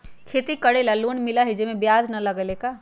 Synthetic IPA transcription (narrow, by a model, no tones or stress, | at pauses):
kʰeːt̪ikəɽelalunmɪlaɦid͡ʒemẽbjaːd͡ʒnɐləɡəleka